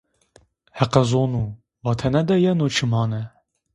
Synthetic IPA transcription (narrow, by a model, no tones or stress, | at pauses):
hɛqɛzoːnu | vɑt̪ʰɛnɛd̪ɛjɛnoːt͡ʃʰɨmɑːnɛ